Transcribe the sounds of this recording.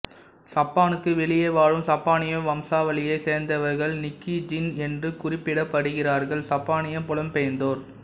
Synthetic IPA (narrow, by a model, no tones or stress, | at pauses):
sɐpːaːnɯkːɯʋɛɭɪjɐɪʋaːɻɯmsɐpːaːnɪjɐʋɐmsaːʋɐlɪjɐɪseːɾnd̪ɐʋɐɾɣɐɭnɪkːid͡ʒɪnɛndrɯkʊrɪpːɪɽɐpːɐɽɯɣɪraːɾɣɐɭsɐpːaːnɪjɐmpʊɭɐmpejɐnd̪oːɾ